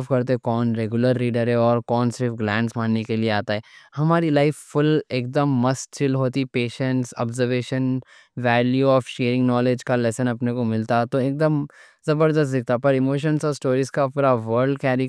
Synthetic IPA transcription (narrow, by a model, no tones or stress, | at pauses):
fkɐɾt̪ekɔːnɾeɡjʊləɾːiːɖəɾɦɛɔːɾkɔːnsɪɾfɡlɛ̃ːɳɖsmãːnːekelieaːt̪aɦɛːhɐmaːɾilaɪfːʊleːk̚d̪əmːɐst̪̚t͡ʃɪlɦoːt̪ipeːʃə̃ɳʈsɔ̰ːbzəɾʋeːʃən | ʋɛːljuɔːfʃeːɾɪ̃ŋɡnɔːled͡ʒkalɛsənɐpnekomɪlt̪at̪oeːk̚d̪əm | zɐbəɾd̪əst̪d̪ɪk̚ʰt̪apɐɾɪmoːʃ̬ə̃nsɔːɾsʈoːɾiskapuːɾaʋəɾɖkɛːɾɪ